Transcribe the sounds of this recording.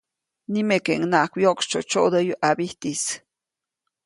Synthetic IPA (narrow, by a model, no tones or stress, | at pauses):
nimekeʔŋnaʔkʷjokt͡ʃo̰t͡ʃoʔd̪əjuʔabiht̪is